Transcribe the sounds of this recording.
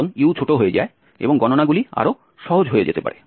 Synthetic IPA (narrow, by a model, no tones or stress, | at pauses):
neut͡ɕʰoʈoɦojed͡ʑa̰e | ḛboŋɡɔnonaɡulia̰ɾo | ʃɔɦod͡ʑɦoed͡ʑet̪epa̰ɾe